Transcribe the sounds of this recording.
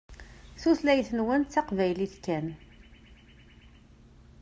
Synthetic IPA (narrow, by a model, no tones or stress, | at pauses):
θuθlæjθənwənt͡sːɑqvæjliθkːæn